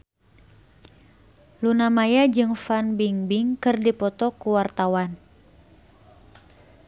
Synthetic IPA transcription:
lunamajad͡ʒɨŋfanbiŋbiŋkɨrdipɔt̪ɔkuwart̪awan

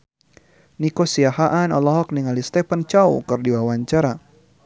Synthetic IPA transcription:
nikɔsiahaʔanɔlɔɦɔk̚niŋalist̪ɛpant͡ʃaṵkɨrdiwawaɲt͡ʃaɾa

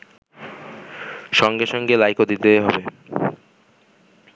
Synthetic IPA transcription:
ʃɔŋɡeʃɔŋɡelajkod̪it̪eɦɔbe

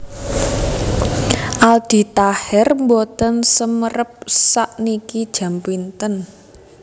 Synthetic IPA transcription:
ʔald̪̥i̤t̪ahɛrmbot̪ənsəməɾəp̚saʔnikid̥ʒ̥ä̤mpint̪ən

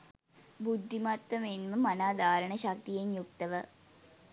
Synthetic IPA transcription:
bud̪ʱːimat̪ʋəmenməmanaːd̪aːɾəɳəʃak̚t̪ijenjuk̚t̪əʋə

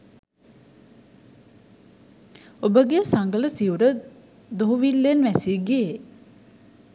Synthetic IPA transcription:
obəɡesaŋɡələsiuɾə | d̪oɦuʋilːenʋæsiɡee

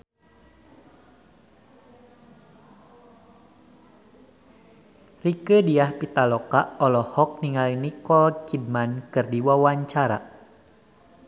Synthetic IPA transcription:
rikədiahpit̪alɔkaʔɔlɔhɔk̚niŋalinikɔlkid̚mankɨrdiwawaɲt͡ʃaɾa̰

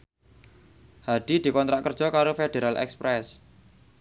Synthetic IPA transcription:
haɖ̥id̪̥i̤kɔnt̪ɾaʔkərd̥ʒ̥ɔ̤kaɾofed̪̥eɾalʔɛ̰kspɾɛs

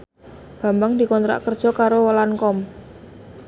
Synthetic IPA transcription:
b̥a̤mbaŋd̪i̤kɔnt̪ɾa̰ʔkərd̥ʒ̥ɔ̤kaɾowəlankɔm

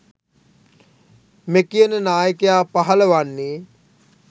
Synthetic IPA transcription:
mekijənənaːjəkejaːpaɦələʋanːiː

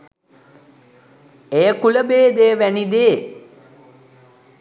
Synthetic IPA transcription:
ejəkuləbeːd̪ejəʋænid̪eː

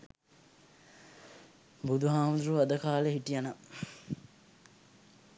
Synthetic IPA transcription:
bud̪uɦaːmud̪uɾuad̪əkaːleɦiʈijanə

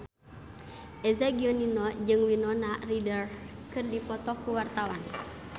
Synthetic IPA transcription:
ʔɛzaɡiɔninɔd͡ʒɨŋwinɔnaridər | kɨrdipɔt̪ɔkuwart̪awan

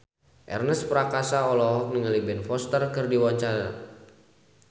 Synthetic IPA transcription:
ʔɛ̰rnəspəɾakasaɔlɔɦɔk̚niŋalibɛnfɔst̪ərkɨrdiwaɲt͡ʃaɾa̰

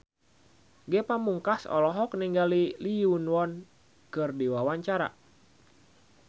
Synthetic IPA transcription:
ɡɛpamuŋkasɔ̰lɔɦɔk̚niŋɡaliliunwɔn | kɨrdiwawaɲt͡ʃaɾa̰

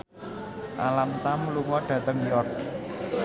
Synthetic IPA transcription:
ʔa̰lamt̪amluŋɔɖ̥ä̤t̪əŋjɔrt̪̚

